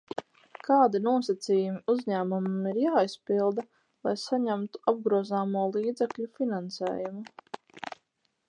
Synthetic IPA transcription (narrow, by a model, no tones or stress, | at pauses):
kaːd̪inuɔsat̪siːjumiuzɲæːmumumiɾjaːispilˠd̪a | lˠa̰jsaɲæmt̪u̥ab̚ɡɾuɔzaːmuɔlˠiːd̪zɛkʎʲufinãnsɛ̰ːjumu